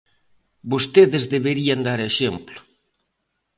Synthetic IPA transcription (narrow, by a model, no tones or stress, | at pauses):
bost̪eðezðeβeɾiand̪aɾeʃemplʊ̥